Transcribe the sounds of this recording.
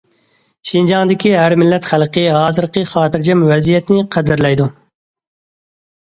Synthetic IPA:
ʃind͡ʒɑŋd̪ɪkʲiɦæɾmɪlːɛt̪χælˠqʰɨɦɑːzɨɾqəχɑːt̪ɪɾd͡ʒɛmwɛzijɛt̪ɪnɪqʰæd̪ɪɾlɛjd̪u

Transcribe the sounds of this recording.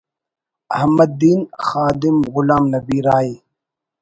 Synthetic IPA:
ɐhɐmːɐd̪ːiːnxaːd̪ɪmɣʊlaːmnɐbiːɾaːiː

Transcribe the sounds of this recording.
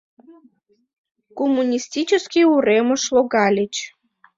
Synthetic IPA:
komːunʲisʲtʲit͡ɕəskʲiuremə̆ʂlˠoɡɑlʲet͡ɕ

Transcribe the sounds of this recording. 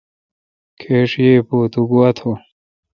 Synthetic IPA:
kʰeːʂijeːpoːt̪uɡuɐt̪ʰo

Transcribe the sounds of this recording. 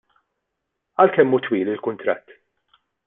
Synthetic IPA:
ɐlkɛmːuːt̪wiːlɪlkʊnt̪ɾɐt̪ː

